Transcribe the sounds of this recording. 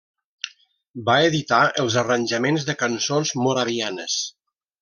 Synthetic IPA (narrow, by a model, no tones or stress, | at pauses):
baeðit̪aəlˠzərənʲʒəmenzðəkənsonzmuɾaβianəs